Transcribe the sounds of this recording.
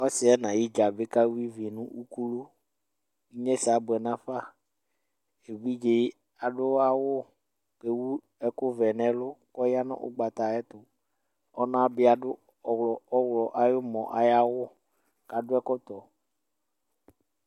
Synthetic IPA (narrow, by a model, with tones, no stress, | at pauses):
ɔ˦sɪ˨˦ɛ˦nã˨ji˦d͡ʒa˨be˦ka˦wu˦i˦vi˨nũ˦u˦ku˦lo˦ | i˦ɲɛ̃˦sɪ˨a˨bʊ˨ɛ˨nã˦fa˦ | e˨wi˦d͡ʒe˦ | a˨ɖʊ˦a˨wʊ˦ | ke˦wu˦ | ɛ˦kʊ˦vɛ˨nɛ̃˨lʊ˦kɔ˦ja˦nɔ̰̃˦ʔʊ̰˦ɡ͡ba˨t̪a˨ɛ˦t̪ʊ˨ | ɔ˦nã˦be˦a˨ɖʊ˦ | ɔ˨wlɔ˨ɔ˦wlɔ˨ʔa˨jo˦mɔ̰̃˨ʔa̰˨ja˦wʊ˦ | ka˨ɖʊ˦ɛ˦kɔ˦t̪ɔ˨